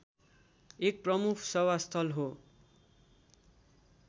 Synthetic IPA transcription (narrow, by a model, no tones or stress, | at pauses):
ek̚prʌmukʰsʌwast̪ʰʌlɦo